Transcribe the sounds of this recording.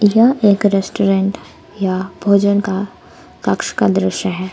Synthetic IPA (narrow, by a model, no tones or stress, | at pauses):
jɐeːkɾesʈoɾẽɳʈ | jabʱoːd͡ʒənka | kɐkʃkad̪ɾɪʃəɦɛː